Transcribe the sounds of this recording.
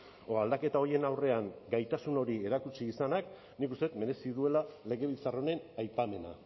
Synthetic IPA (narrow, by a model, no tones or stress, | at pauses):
oald̪ake̞t̪ao̞ie̞nawre̞aŋɡajt̪asuno̞ɾie̞ɾakut͡siːsanak | nikust̪eut̪me̞ɾe̞siðue̞lale̞ɣe̞βit͡saro̞ne̞najpame̞na̰